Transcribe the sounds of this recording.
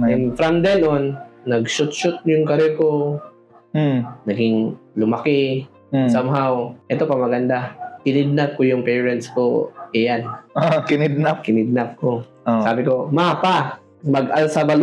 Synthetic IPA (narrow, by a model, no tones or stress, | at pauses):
ɛnfɾɐmd̪ɛnʔonːɐɡʃʊt̪̚ʃʊt̪̚jʊŋkɐɾɛko | nɐɡɪŋlʊmɐkɪ | samɦawʔɛt̪o̞pɐmɐɡɐnd̪akɪnɪd̪̚nap̚kojʊŋpɛːɹɛnt̪skoʔɛjanokɪnɪd̪̚napkɪnɪd̪̚nap̚ko | osaːbɪko̞mapa | mɐɡʔalsɐbɐl